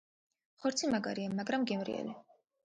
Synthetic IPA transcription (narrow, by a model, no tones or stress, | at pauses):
χɔɾt̪sʰimaɡaɾiamːaɡɾamɡɛmɾḭɛ̰li